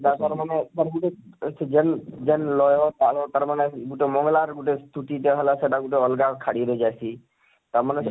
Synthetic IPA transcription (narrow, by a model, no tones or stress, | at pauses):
tat̪aɾmanet̪aɾɡuʈesed͡ʒɛnd͡ʒɛnlɔjɔt̪alɔt̪aɾmaneɡuʈemɔŋlaɾɡuʈest̪ʰuʈiʈeɦɔlaseʈaɡuʈeɔlɡakʰaɽiɾɔd͡ʒajsi | t̪aɾmanes